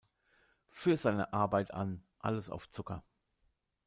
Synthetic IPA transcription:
fyːɐzaɪnə̰ʔaɐbaɪtʰa̰nʔa̰ləsa̰ʊft͡sʊkɐ

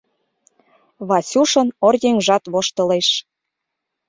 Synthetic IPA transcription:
βɑsʲuʃɤ̆norjeŋʒɑt̪βoʃt̪ɤ̆leʃ

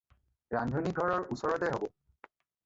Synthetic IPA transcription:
ɹandʱoniɡʱɔɹɔɹusɔɹɔtɛɦobɔ

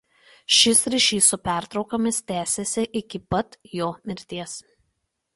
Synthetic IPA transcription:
ʃʲɪsɾʲɪʃʲiːsʊpʲæˑɾt̪ɾɒʊkɐmʲɪst̪ʲæːsʲesʲɪʔɪkʲɪpɐt̪joːmʲɪɾʲt̪ʲiɛs

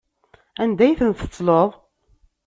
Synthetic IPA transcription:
ænd̪æjθənt̪ə̥t͡s̪ˤːloðˤ

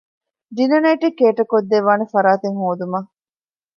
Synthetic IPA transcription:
ɖinɐnɐjʈikːeːʈɐkod̪ːeʋaːnefɐɾaːt̪eŋhoːd̪umɐ

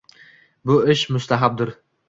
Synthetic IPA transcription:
bʊɪʃmʊst̪aɦab̚d̪ʊɾ

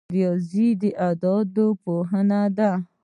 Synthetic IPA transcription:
ɾijɔzid̪iʔad̪ɔd̪opoɦanad̪a

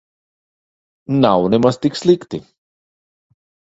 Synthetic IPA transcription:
nawnemɐst̪ikslikt̪i

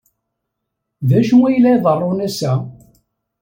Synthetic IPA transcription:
ðæʃənæjlæjðˤərˤːonæsæ

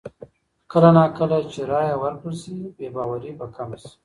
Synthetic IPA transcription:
kəlanakəlat͡ʃeɾɑːjawaɾkəlsibebɑwaɾibakamsi̥

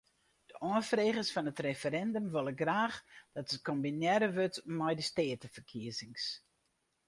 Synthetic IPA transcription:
d̥əʔɔəfreːɣəsfɔnətrefəɾɛndəmʋøləɡraːxd̥ɔtəkombinjɛɾəʋøtmɛjdəsteːətəfərkʰiəzɪŋs

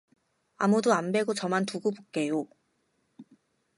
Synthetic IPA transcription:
a̰mudoambe̞ɡot͡ɕʌmantuɡubok̚k͈e̞jo

